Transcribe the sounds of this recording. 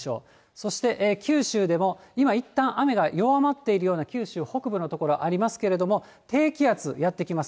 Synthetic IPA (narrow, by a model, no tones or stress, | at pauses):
o̞̰ː | so̞ɕi̥t̪e̞ʔːkʲɨːɕɨːd̪e̞mo̞imait̪ːãɰ̃ʔame̞ɡajo̞amat̪ːe̞iɾɯ̟jo̞ːnakʲɨːɕɨːho̞kɯ̟bɯ̟no̞t̪o̞ko̞ɾo̞ʔaɾʲimasɨ̥ke̞ɾe̞d̪o̞mo̞ | t̪e̞ːkʲiat͡sɨjat̪ːe̞kʲimas